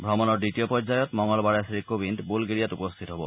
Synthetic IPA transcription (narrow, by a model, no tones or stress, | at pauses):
bʱɹɔmɔnɔɹditiopɔɲzajɔtmɔŋɔlbaɹesɾikobintbulɡeɹijatupost̪ʰit̪ɔɦɔbɔ̰